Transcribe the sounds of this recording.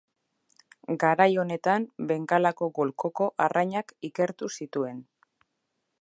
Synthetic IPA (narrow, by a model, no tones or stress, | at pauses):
ɡaɾajo̞ne̞t̪ambe̞ŋkalako̞ɣo̞lko̞ko̞ʔaraɲakike̞ɾt̪usit̪ue̞n